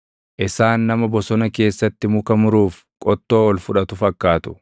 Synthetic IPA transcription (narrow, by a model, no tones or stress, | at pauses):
ʔɪsaːnːɐmɐbɔsɔnɐke̞ːsːɐt̪ːɪmʊkɐmʊɾuːf | kʼɔt̪ːo̞ːɔlfʊᶑɐt̪ʊfɐkːaːt̪ʊ̥